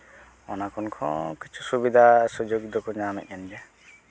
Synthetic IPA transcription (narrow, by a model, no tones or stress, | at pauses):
ɔnakɔnkʰɔ̰̃kit͡ʃʰu̥subid̪ʱasud͡ʒoɡ̚d̪ɔkɔɲamɛ̰ʔ̪̚ˀand͡ʒɛ